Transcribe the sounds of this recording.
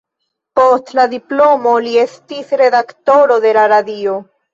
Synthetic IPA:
po̞stladiplo̞mo̞lie̞stisɾe̞dakto̞ɾode̞laɾadio̞

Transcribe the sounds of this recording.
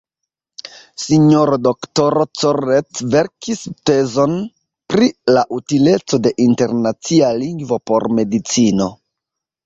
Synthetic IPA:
siɲoɾodoktoɾot͡soɾet͡sve̞ɾkiste̞zo̞n | pɾilaʔutile̞t͡so̞de̞ʔinte̞ɾnat͡sialiŋɡvo̞po̞ɾme̞dit͡sino̞

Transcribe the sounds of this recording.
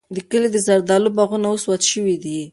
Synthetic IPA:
d̪əkəled̪əzaɾd̪ɑlʊbaɣunaoswat̪ʃəwid̪i

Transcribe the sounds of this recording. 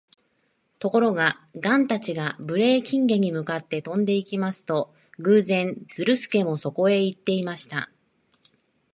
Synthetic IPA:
t̪o̞ko̞ɾo̞ɡa | ɡãnt̪at͡ɕiɡabɯ̟ɾe̞ːkʲĩŋɡe̞ɲ̟imɯ̟kat̪ːe̞t̪õ̞nd̪e̞ikʲimasɨ̥t̪o̞ | ɡɯ̟ːzẽ̞nd͡z̥ɨɾɯ̟sɨ̥ke̞mo̞so̞ko̞e̞it̪ːe̞imaɕi̥t̪a̰

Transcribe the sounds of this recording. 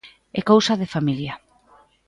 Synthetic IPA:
ekowsaðefamilja

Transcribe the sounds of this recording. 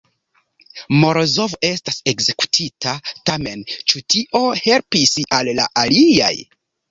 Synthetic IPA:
mo̞ɾozo̞ve̞stase̞kze̞ku̥tʰitʰatame̞nt͡ʃutiʔo̞he̞lpisalːa̰ʔalia̰j

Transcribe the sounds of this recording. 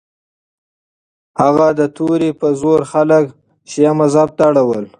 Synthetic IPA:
haɣad̪ət̪ʰoɾipəzoɾxalək | ʃjamazab̚t̪aɽawəl

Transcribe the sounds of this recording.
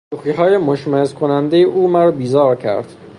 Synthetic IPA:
uːxiːɦɒːje̞moʃmæezkʰonænd̪ejeʔuːmæɾɒːbiːzɒːɾcʰæ̰ɾd̪̥

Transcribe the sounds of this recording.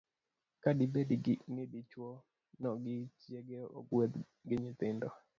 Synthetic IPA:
kadibedinɪdit͡ʃwɔ | nɔɡɪt͡ʃjeɡeo̰ɡwet̪ | ɡɪɲɪt̪ɪndɔ

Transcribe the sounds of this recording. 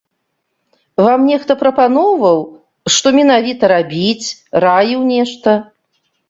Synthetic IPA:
vamnʲɛxt̪ɐpɾɐpanɔvɐw | ʂt̪ɔmʲɛnavʲit̪ɐɾabʲit͡sʲrajiwnʲɛʂt̪ɐ

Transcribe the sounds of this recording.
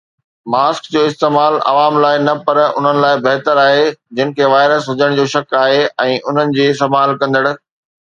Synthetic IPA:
maːskd͡ʑoːɪst̪eːmaːlɐ̰ʋaːmlaːɪnɐpɐɾʊ̰n̤ənɪ̆laːɪbɐɦt̪əɾaːɦed͡ʑɪnɪ̆kʰeːʋaːɪɾəsɦʊd͡ʑəɽ̃d͡ʑoːʃɐkaːɦeɛ̃ːʔʊn̤ənɪ̆d͡ʑiːɪst̪ɐmaːlkɐ̃nd̪əɽʊ̆

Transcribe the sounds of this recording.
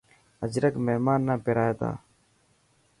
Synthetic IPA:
əd͡ʒɾəkmeɦmaːnːãːpeɾaːjeːt̪a̰ː

